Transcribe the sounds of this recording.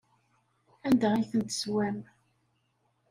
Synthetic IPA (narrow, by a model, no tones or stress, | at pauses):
ænd̪ææjθənt̪ə̥swæm